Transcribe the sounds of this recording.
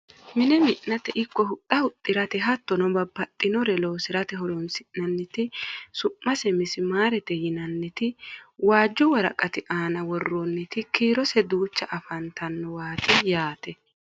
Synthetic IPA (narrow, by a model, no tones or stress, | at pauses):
mɪnɛmɪʔnɐt̪ɛʔɪkːɔhʊt̪ʼːɐhʊt̪ʼːɪɾɐt̪ɛɦɐt̪ːɔnɔbɐbːɐt̪ʼːɪnɔɾɛloːsɪɾɐt̪ɛɦɔlɔnsɪʔnɐnːɪt̪ɪsʊmːɐsɛmɪsɪmaːɾɛt̪ɛjɪnɐnːɪt̪ɪwaːd͡ʒːɔwɐɾɐ̰kʼɐt̪ɪʔaːnɐwɔrːonːɪt̪ɪkiːɾɔsɛd̪uːt͡ʃːɐʔɐfɐnt̪ɐnːɔwaːt̪ɪjaːt̪ɛ